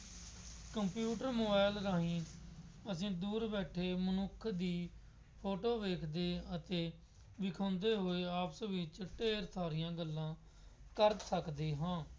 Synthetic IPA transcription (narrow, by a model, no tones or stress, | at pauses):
kəmpjuːʈəɾmoːbaːɪlɾaːɦĩːəsĩːd̪uːɾbɛːʈʰːeːmənʊkʰːd̪iː | pʰoːʈoːʋeːkʰd̪eːət̪eː | ʋɪkʰãːnd̪eːɦoːeːaːpsʋɪt͡ʃʈeːɾt̪ʰaːɾijãːɡəlːãː | kəɾsəkd̪eːɦãː